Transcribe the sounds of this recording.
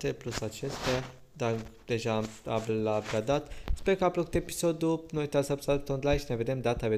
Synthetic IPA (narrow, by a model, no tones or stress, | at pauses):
t̪eplusat͡ʃest̪a | d̪ad̪̥e̞ʒamablabɾad̪at̪speɾkəapɾokut̪epi̥sod̪unojt̪asapsalpt̪ond̪lajnʃineve̞d̪e̞md̪at̪ave